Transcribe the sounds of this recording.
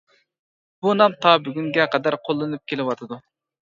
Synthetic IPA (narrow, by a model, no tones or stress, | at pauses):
b̥unɑmt̪ʰɑbyɡʲyŋɡʲɛqʰɛd̪æɾqʰolˠːɨnɨp̚kʲʰelɪwɑt̪ʰɨd̪u